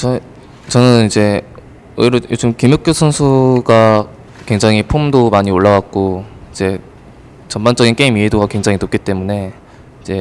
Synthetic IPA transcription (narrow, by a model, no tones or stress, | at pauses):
t͡ɕʌ | t͡ɕʌnɯnid͡ʑe̞ | ʌiɾojod͡ʑɯmkimjok͈josʰʌnsʰuɡa | kwe̞ŋd͡ʑaŋɦipʰomdomaɲioɭːaɡak̚k͈oid͡ʑe̞ | t͡ɕʌmmand͡ʑ͈ʌɡink͈eimiedoɡakwe̞ŋd͡ʑaŋinop̚k͈it͈e̞mune̞ | id͡ʑe̞